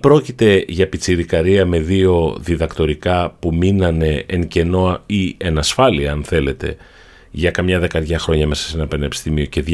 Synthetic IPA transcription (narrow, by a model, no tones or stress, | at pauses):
pɾo̞cit̪e̞ʝɐpit͡siɾikɐɾiɐme̞ðio̞ðiðɐkt̪o̞ɾikɐpuminɐne̞ːŋce̞no̞ie̞nɐsfɐliɐɐnθe̞le̞t̪e̞̰ | ʝɐkɐmɲɐðe̞kɐɾʝɐxɾo̞ɲɐme̞sɐ̥se̞nɐpenoepi̥st̪imio̞ce̞ð